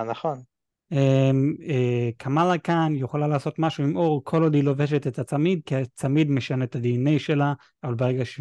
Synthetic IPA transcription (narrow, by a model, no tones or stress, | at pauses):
naχon | emekʰamalakanjeχolalaːso̞t̪maʃuimʔo̞ʁkʰo̞lod̪ilo̞ve̞ʃet̪et̪at͡samid̪kiat͡samid̪meʃanet̪ad̪inejʃe̞la | avalbeʁeɡaʃe